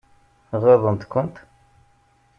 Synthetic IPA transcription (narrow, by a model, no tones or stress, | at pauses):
ʁeðˤənt̪kʷənt̪